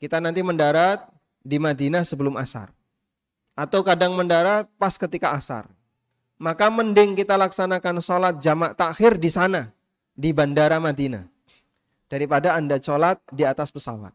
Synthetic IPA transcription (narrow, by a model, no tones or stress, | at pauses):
kit̪anant̪iməndaɾat̪̚ | dimadinasəbəlʊma̰sa̰r | ʔat̪awkadaŋməndaɾat̪̚paskət̪ikaːsa̰r | makaməndɪŋkit̪alaksanakansolat̪̚d͡ʒamaʔt̪axɪrdisana | dibandaɾamadina̰ | d̥aɾipadaːndat͡ʃolat̪̚diat̪aspəsa̰wa̰t̪̚